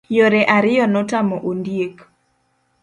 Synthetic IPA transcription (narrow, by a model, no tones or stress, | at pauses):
joɾeʔaɾɪjɔnɔtamɔʔondijek